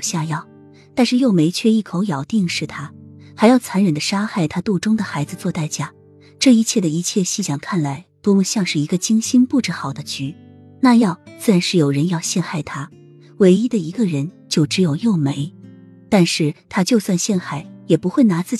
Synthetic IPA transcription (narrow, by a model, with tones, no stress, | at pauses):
ɕja˥˧jɑ˥˩ʊ | t̪a˥˧nʂɻ̩˥˧jo˥˩ʊme˧˥ɪt͡ɕʰɥɛ˥˧i˥˩kʰo˧˥ʊjɑ˨˩ʊt̪i˥˧ŋʂɻ̩˥˩t̪ʰa˥xa˧ɪjɑ˥˩ʊt͡sʰa˧˥nɻə˨˩d̪ə˦ʂa˥xa˥˩ɪt̪ʰa˥t̪u˥˩ʈ͡ʂʊ˥ŋd̪ə˨xa˧˥ɪd͡zɹ̩˧t͡swɔ˥˧t̪a˥˩ɪt͡ɕja˥˩ | ʈ͡ʂɤ˥˩i˧˥t͡ɕʰjɛ˥˩d̪ə˩i˧˥t͡ɕʰjɛ˥˧ɕi˥˩ɕjɑ˨˩ŋkʰa˥˩nla˧˥ɪt̪wɔ˥mu˥˧ɕjɑ˥˧ŋʂɻ̩˥˩i˧˥ɡə˧t͡ɕi˥ŋɕi˥npu˥˩ʈ͡ʂɻ̩˧˥xɑ˨˩ʊd̪ə˦t͡ɕy˧˥ | na˥˧jɑ˥˧ʊt͡sɹ̩˥˩ɻa˧˥nʂɻ̩˥˩jo˨˩ʊɻə˧˥njɑ˥˧ʊɕjɛ˥˧nxa˥˩ɪt̪ʰa˥ | we˧˥ɪi˥d̪ə˨i˧˥ɡə˧ɻə˧˥nt͡ɕjo˥˩ʊʈ͡ʂɻ̩˧˥jo˨˩ʊjo˥˩ʊme˧˥ɪ | t̪a˥˧nʂɻ̩˥˩t̪ʰa˥t͡ɕjo˥˧ʊswa˥˧nɕjɛ˥˧nxa˥˩ɪjɛ˨˩pu˧˥xwe˥˩ɪna˧˥t͡sɹ̩˥˩